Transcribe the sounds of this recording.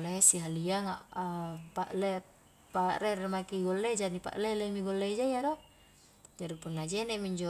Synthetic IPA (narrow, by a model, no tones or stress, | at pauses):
laesiɦaliaŋaapaʔle | paʔɾeremakiɡolːeid͡ʒanipa̰ʔlelemiɡolːeid͡ʒajado | d͡ʒaɾipunːad͡ʒɛnɛʔmiɲd͡ʒo